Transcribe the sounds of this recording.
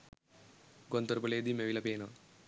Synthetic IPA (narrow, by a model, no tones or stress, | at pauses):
ɡont̪oɾpɐleːd̪imeʋilɐpeːno